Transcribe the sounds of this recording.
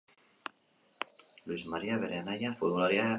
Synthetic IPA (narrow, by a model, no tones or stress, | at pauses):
luizmaɾiaβeɾeanajafuɾmulaɾja